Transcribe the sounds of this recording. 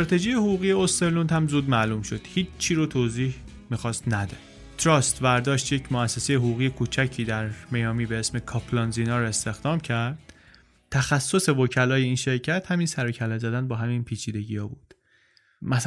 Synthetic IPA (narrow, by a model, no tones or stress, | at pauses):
est̪ɾɒːt̪ʰe̞ʒijehoɣuːɣiːjeost̪elunhæmzuːd̪mælumʃod̪̥hiːiɾot̪ʰoːziːh | miːxɒːst̪næd̪e | t̪ʰɾɒst̪væɾd̪ɒːʃt̪jecʰmoæsːesejeɦoɣuːɣijekʰut͡ʃʰæcʰiːd̪æɾmejɒːmiːbeesme̞kʰɒpʰlɒnzinɒːɾe̞st̪e̞xd̪ɒːmcʰæɾd̪̥̚ | t̪ʰæxæsːo̞se̞vocʰælɒːje̞iːnʃe̞ɾcʰæt̪hæmiːnsæɾocʰælɒzæd̪ænbɒːɦæminpʰiːt͡ʃʰiːd̪e̞ɟiːhɒːbuːd̪̥ | mæs